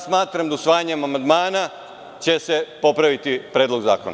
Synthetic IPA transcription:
smaːt̪ɾamd̪ausʋaːjaɲemamand̪maːna | t͡ɕe̞se̞po̞pɾaʋit̪ipɾeːd̪lo̞ɡza̰ːkona̰

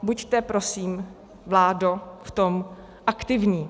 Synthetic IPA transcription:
buct̪ɛpɾosiːm | vlaːdoft̪om | ʔakt̪ɪvɲiː

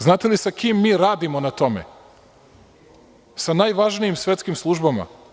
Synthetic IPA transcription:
znaːt̪e̞lisakiːmːiːɾaːd̪imo̞nat̪o̞mḛ | sanaːjʋaʒnijimsʋʲe̞t̪skimslˠuʒbama̰

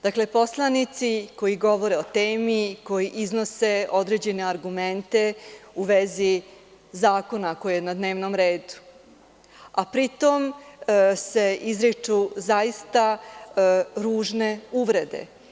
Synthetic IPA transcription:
d̪akle̞po̞slˠanit̪siko̞jiɡo̞ʋo̞ɾe̞ot̪eːmiko̞jiʔizno̞se̞o̞d̪ɾe̞ːd͡ʑe̞ne̞aɾɡument̪e̞uʋe̞zi | zaːko̞nako̞jenad̪ne̞ːʋnomɾe̞ːd̪u̥ | apɾit̪o̞m | se̞izɾit͡ʂuzaist̪a | ɾuːʒne̞uʋɾe̞d̪e̞̰

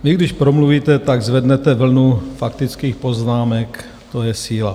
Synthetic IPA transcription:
vɪɡdɪʃpɾomluviːt̪ɛt̪aɡzvɛdnɛt̪ɛvl̩nufakt̪ɪt͡skiːxpo̞znaːmɛk | t̪ojɛsiːla

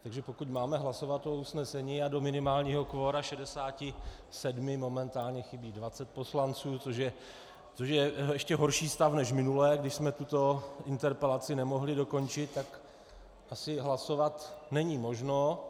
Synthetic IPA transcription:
t̪aɡʒɛpo̞kucmaːmɛɦlaso̞vat̪ousnɛsɛɲiːado̞mɪnɪmaːlɲiːɦo̞kvoːɾaʃɛdɛsaːcɪ | sɛdmɪmo̞mɛnt̪aːlɲɛxɪbiːdvat͡sɛt̪̚po̞slant͡suːoʃɛ | t͡soʃjɛɛʃcɛɦo̞ɾʃiːst̪afnɛʃmɪnulɛːɡdɪʃsmɛt̪ut̪o̞ɪnt̪ɛɾpɛlat͡sɪnɛmo̞ɦlɪdo̞ko̞nt͡ʃɪt̪ːak | ʔasɪɦlaso̞vat̪nɛɲimo̞ʒno

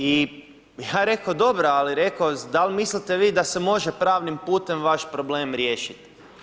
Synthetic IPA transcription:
i | jaːɾe̞kod̪o̞bɾoaliɾe̞kosd̪alʲmislit̪e̞ʋiːd̪asemo̞ʒepɾaːʋnimpuːt̪e̞mʋaʃpɾo̞ble̞ːmɾjeːʃit̪

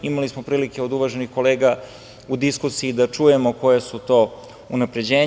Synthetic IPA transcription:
imalismo̞pɾiːlikeod̪uʋaʒenixko̞le̞ːɡa | ud̪iskusiid̪at͡ʃuje̞mo̞ko̞jesut̪o̞ː | unapɾe̞d͡ʑe̞ːɲ

